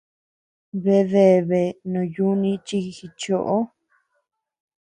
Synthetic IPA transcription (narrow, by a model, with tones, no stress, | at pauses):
βe˧ðe˨βe˨nũ˨ju˦nĩ˧t͡ʃi˧xi˧t͡ʃo˧˨ʔo˦